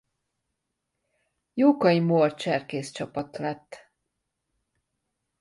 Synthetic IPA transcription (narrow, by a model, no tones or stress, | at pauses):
joːkɒimort͡ʃɛrkeːst͡ʃɒpɒt̪lɛt̪ː